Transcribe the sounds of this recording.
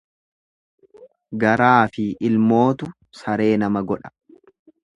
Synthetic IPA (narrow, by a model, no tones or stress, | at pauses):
ɡɐɾaːfɪɪlmo̞ːt̪ʊ | sɐɾe̞ːnɐmɐɡɔᶑɐ̥